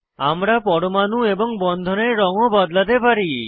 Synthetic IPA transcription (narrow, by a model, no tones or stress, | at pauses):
a̰mɾapɔɽomanuebɔŋbɔnd̪ʱoneɾɔŋobɔd̪lat̪epaɾi